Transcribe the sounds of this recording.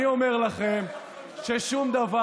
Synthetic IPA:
iome̞ʁlaχem | ʃeʃumd̪ava

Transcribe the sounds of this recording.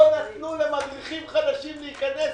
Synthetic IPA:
onat̪nule̞mad̪ʁiχimχad̪aʃimleikanes

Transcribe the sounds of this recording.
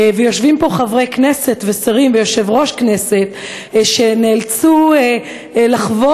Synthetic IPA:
vejo̞ʃvimpo̞χavʁeknese̞t̪vesaʁimvejo̞ʃe̞vʁo̞ʃkne̞se̞t̪ | ʃeneːlt͡su | laχvo

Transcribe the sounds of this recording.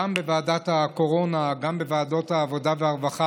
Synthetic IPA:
ambevaːdathako̞ʁo̞naɡambe̞vaːdo̞thaːvo̞daveaʁvaχa

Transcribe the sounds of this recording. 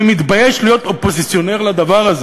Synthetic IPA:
mit̪bajeʃlijo̞t̪o̞po̞zit͡sjo̞ne̞ʁlad̪avaʁaze

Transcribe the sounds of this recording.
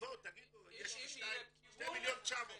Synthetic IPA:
ot̪ːaɡideʃnajmʃt̪ejmiljont͡ʃav

